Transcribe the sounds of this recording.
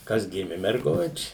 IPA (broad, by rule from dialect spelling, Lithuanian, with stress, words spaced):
ˈkɐs ˈɡʲɪmʲɪ mʲɛrˈɡʊt͡ʃʲɪ